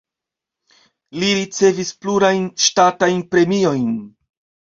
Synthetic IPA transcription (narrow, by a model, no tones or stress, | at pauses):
liɾit͡se̞vispluɾajnʃtatajnpɾe̞mio̞jn